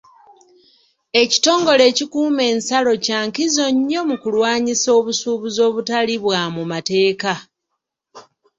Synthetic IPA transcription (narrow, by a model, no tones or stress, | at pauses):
e̞ci̥to̞ːŋɡo̞le̞ːcikuːme̞ːnsalo̞caːŋkizo̞ɲːo̞mukulwaːɲiso̞ːβusuːβuzo̞ːβutaliβwaːmumate̞ːka